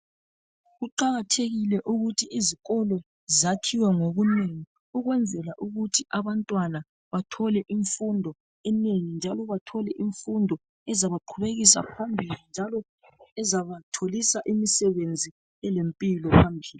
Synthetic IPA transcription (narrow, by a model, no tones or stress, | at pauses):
ɣuǃaɣatʰeɣilɛʔuɣutʰiːziɣɔlɔ | zakʰiwaŋoɣuneŋi | uɣwɛnd͡zʱɛlaʔuɣutʰiaβantʼwana | βatʰɔlɛʔiɱfundʱɔ | ɛneŋind͡ʒʱalɔβatʰɔlɛʔiɱfundʱɔ | ɛzaβaǃʰuβeɣisa̰pʰambʱilind͡ʒʱalɔ | ɛzaβatʰolisaʔimisɛβend͡zʱi | ɛlempʼilɔpʰambʱiːli